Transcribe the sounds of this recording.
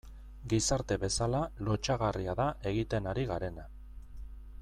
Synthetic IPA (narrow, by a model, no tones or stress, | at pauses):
ɡisaɾt̪e̞βe̞salalo̞t͡ʃaɣ̞ariaðaʔe̞ɣ̞it̪e̞naɾiɣaɾe̞na